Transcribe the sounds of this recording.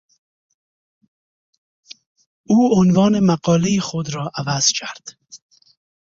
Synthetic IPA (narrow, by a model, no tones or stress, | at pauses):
uːonvɑːnemaqɒːlejexod̪ɾɒːʔavaz̥kʰaɾd̪̥